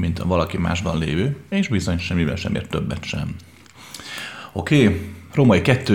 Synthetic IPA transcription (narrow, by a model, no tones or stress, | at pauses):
mint̪ɒ̰vɒlɒkima̰ːʒbɒnlḛːvøːeːʒbizo̞ɲʃɛmːivɛ̰lʃɛ̰mʔḛːrt̪ːøbːɛt̪ʃɛ̰m | o̞keːromɒikɛt̪ːøː